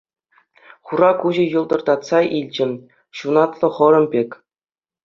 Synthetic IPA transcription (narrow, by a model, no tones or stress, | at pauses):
χuɾɑkuʑɤ̆jɤ̆lˠd̪ɤ̆rd̪ɑt̪sɑʔilʲd͡ʑɘ̆m | ɕunɑt̪lˠɤ̆χɤ̆ɾɤ̆mbʲekʲ